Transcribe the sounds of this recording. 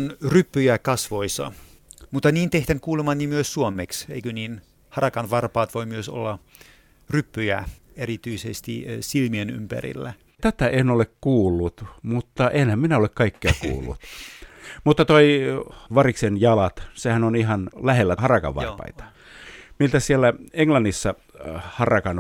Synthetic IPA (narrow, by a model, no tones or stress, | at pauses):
nrypːyjækɑsʋoisɑ̰ | mut̪ːɑnʲiːnt̪eht̪ænkuːlemɑnnʲːimyøssuomeksḛikøniːn | hɑrɑkɑnʋɑrpɑːt̪ʋoimyøso̰lːɑ | rypːyjæ̰ | erit̪yisest̪ḭsilmieny̰mpæ̰rḭlːæ | t̪æt̪æenolekkuːlːut̪mut̪ːɑʔenhæmminæolekkɑikːeɑkṵːlːṵt̪ | mut̪ːɑt̪oiʋɑriksenjɑlɑt̪sehænonihɑnlæhelːæhɑrɑkɑ̰ʋʋɑ̰rpɑ̰it̪ɑ̥ | milt̪æsielːæeŋlɑnːisːɑ | hɑrɑkɑn